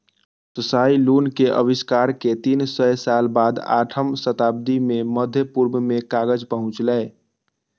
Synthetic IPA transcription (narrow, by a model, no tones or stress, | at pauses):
səsailunkeʔə̰biskaɾket̪insəjsalbad̪a̰ʈʰəmsət̪ab̚d̪imeməd̪ʱjəpuɾməmekaɡəd͡ʒpəɦʊ̃t͡ʃlɛː